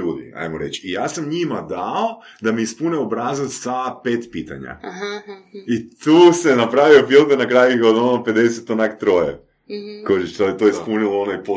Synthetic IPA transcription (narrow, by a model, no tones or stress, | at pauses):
uːd̪ḭa̰jmoɾḛt͡ʃijaːsamɲimad̪ao | d̪amiispuneobɾazasapeːt̪piːt̪a̰ɲa̰ | it̪uːsenapɾaʋio̞filˠt̪enakɾaːjuod̪onope̞d̪eset̪onakt̪ɾoːjḛ | koʒit̪oet̪oːispunilˠoonoipo